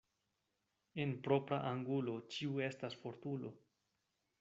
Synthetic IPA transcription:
e̞npɾo̞pɾa̰ʔaŋɡulo̞t͡ʃiue̞stasfo̞ɾtulo̞

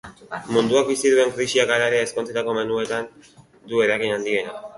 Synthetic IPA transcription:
mund̪uak̚bisiðue̞ŋkɾisiakaɾaɾeesko̞nt͡set̪ako̞me̞nue̞t̪an | d̪ue̞ɾakinand̪iɣe̞na

